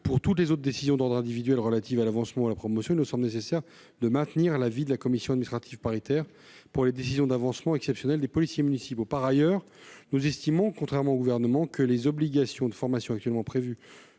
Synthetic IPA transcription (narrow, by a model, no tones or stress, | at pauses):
puʁt̪ut̪lezot̪χd̪esizjɔ̃d̪ɔʁd̪ʁɛ̃d̪ivid̪ɥɛlʁəlat̪ivalavɑ̃smɑ̃alapχɔmɔsjɔ̃ilnəsɑ̃blnesesɛʁ | d̪əmɛ̃t̪niʁlavid̪əlakɔmisjɔ̃ad̪miist̪χat̪ivpaʁit̪ɛʁ | puʁled̪esizjɔ̃d̪avɑ̃smɑ̃ɛksɛpsjɔnɛld̪epɔlisjemynisipopaʁajœʁ | nuzɛst̪imɔ̃kɔ̃t̪χɛʁmɑ̃oɡuvɛʁnəmɑ̃kəlezɔbliɡasjɔ̃d̪əfɔʁmasjɔ̃ak̚t̪ɥɛlmɑ̃pχevy